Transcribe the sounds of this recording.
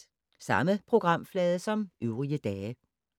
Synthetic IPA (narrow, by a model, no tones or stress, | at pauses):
sɑ̈məpʰʁo̝ɡ̥ʁɑ̈m̰flɛːð̞ˠəsɒ̽mʔøʊʁiəd̥ɛː